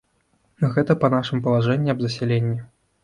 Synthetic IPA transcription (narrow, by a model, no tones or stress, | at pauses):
nɣɛt̪ɐpɐnaʂɨmpɐlˠaʐɛnʲːiɐbzɐsʲɛlʲenʲːi